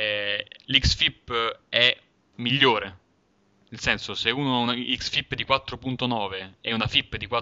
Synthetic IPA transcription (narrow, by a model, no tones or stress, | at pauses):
liksfipːɛ | miʎːoːɾe | ilsɛnsoseuːnoaunaiksfipːd̪ikwat̪ːɾopunt̪onɔːveɛunafipːd̪ikwa